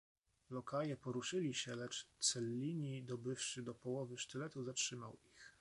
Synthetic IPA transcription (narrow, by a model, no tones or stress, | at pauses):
lɔkajɛpɔɾuʂɘlʲiɕɛlɛt͡ʂt̪sɛlʲːiɲid̪ɔbɘfʂɘd̪ɔpɔwɔvɘʂt̪ɘlɛt̪uzatʂɘmawix